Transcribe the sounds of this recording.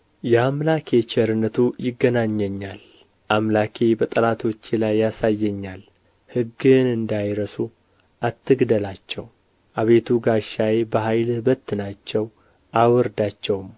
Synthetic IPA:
jɛamlakʰe̞t͡ʃɛɾɨnət̪ʰujɪɡːənaɲːəɲːal | ʔamlakʰe̞bət̪ʼəlat̪ʰo̞t͡ʃːilajːasajːɛɲːal | hɨɡːɨnɨnd̪ajɾəsu | ʔat̪ʰːɨɡd̪əlat͡ʃːɛ̰w | ʔaβe̞t̪ʰuɡaʃajebəɦajlhɨbət̪ːnat͡ʃːɛw | ʔawɨɾd̪at͡ʃːɛwm

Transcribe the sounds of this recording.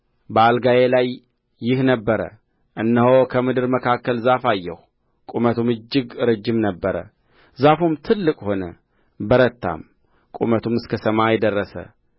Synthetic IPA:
bəalɡajelajː | ɪhnəbːəɾə̰ | ʔɨnːəho̞kʰəmɨd̪ɨɾməkʰakːəlzafajːɛ̰h | kʼumət̪ʰumɨd͡ʒːɪɡɨɾɨd͡ʒːɪmnəbːəɾə̰ | zafumt̪ʰɨlːɨkʼho̞nə | bəɾət̪ːa̰m | kʼṵmət̪ʰumɨskʰəsəmajɛd̪ərːəsə̰

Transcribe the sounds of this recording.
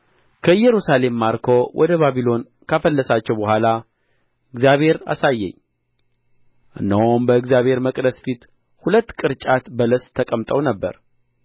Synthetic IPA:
kʰəjɛɾusale̞mːaɾkʰo̞wʔɔ̰d̪əβaβilo̞n | kʰafəlːəsat͡ʃːɛwbəɦʷala | ɨɡzjaβhe̞ɾa̰sajːɛ̰ɲː | ʔɨnːəombəɨɡzjaβhe̞ɾməkʼd̪əsfit̪ | hulət̪ːkʼɨɾt͡ʃʼat̪bələst̪ʰːəkʼəmt̪ʼəwnəbːə̰ɾ

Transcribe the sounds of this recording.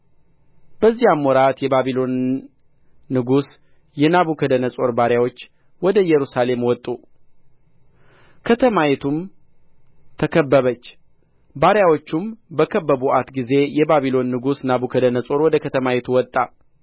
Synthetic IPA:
b̥əzːijamːwɔɾat̪jɛbaβilo̞n | ɨɡus | jɛnaβukʰəd̪ənəsʼo̞ɾbaɾjawo̞t͡ʃː | wɔd̪əjɛɾusale̞mwɔt̪ʼːu | kʰət̪ʰəmajɛt̪ʰum | t̪ʰəkʰəbːəβət͡ʃː | baɾjawo̞t͡ʃːumbəkʰəbːəbuʔat̪ɡize̞jɛbaβilo̞nːɨɡusnaβukʰəd̪ənəsʼo̞ɾwɔd̪əkʰət̪ʰəmajɛt̪ʰuwɔt̪ʼːa

